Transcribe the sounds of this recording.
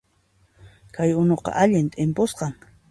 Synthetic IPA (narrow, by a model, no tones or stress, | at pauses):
kajʊnoqɑ̰ʔaʎɪnt̪ʼɪmposqɑŋ